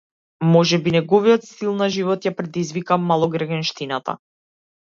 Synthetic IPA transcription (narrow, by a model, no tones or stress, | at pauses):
mɔʒɛbinɛɡɔvijɔt̪silˠnaʒivɔt̪japɾɛd̪izvikamalˠɔɡɾɛɡɛnʃt̪inat̪a̰